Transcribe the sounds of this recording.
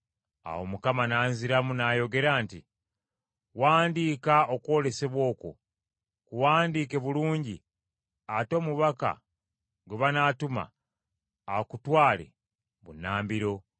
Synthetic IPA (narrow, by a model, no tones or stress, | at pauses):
a̰wo̞mukamanaːnziɾamunajo̞ɡe̞ɾaːnti | waːndiːkao̞kwo̞ːle̞se̞βwo̞ːko̰ | kuwaːndiːke̞βuluːɲɟi | ato̞ːmuβaka̰ | ɡweβanaːtuma̰ː | kutwaːle̞̰ | βṵnaːmbiɾo̞